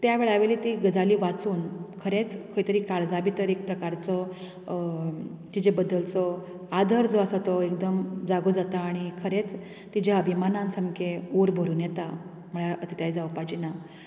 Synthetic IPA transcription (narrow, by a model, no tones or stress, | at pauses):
t̪jaʋeɭaʋeliːt̪iɡəd͡zaliːʋat͡suːnkʰəɾet͡skʰəit̪əɾiːkaɭd͡zabit̪əɾek̚pɾəkaɾt͡sɔ | t̪id͡ʑebəd̪ːəlt͡sɔ | ad̪ʱəɾd͡zoəsat̪ɔek̚d̪əmd͡zaɡod͡zat̪aːɽ̃ikʰəɾet͡s | t̪id͡ʑjaəbʱimanãnsəmkʰeoɾbʱəɾuːnjet̪a | məɭaʔət̪it̪aid͡zawpat͡ɕina